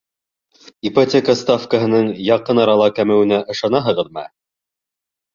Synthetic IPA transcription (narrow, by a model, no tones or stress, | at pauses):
ipɐtʲekəst̪afkəɦɤ̆nɤɴjɑqɤnɑɾɑlˠɑkæmɘ̆wɘ̆næʔɤ̆ʃɑnɑɦɤ̆ʁɤ̆ðmæ̰